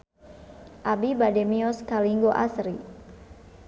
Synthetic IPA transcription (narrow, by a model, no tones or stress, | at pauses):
ʔabibademiɔskaliŋɡoʔa̰sɾi